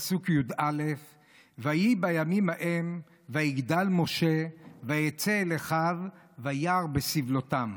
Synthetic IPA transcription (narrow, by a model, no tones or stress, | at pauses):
sukjud̪alef | vajibajamimhaʔem | vajiɡd̪almo̞ʃevajet͡seleχav | vajaʁbesivlot̪am